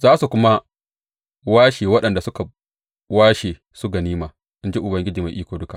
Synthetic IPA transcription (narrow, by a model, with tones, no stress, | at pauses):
zaː˦su˨kʷʊ˦ma˦ | waː˦ʃeː˨wɐ˦ɗɐ˨nda˨sʊ˦ka˨ | waː˦ʃeː˨ | sʊ˦ɡa˨niː˦maː˨ | ʔɪ˦nd͡ʒe˦ʔʊ˨bɐ˦ŋɡʲɪ˦d͡ʒiː˨ma˨ʔiː˦kʷoː˨dʊ˦ka˨ʔ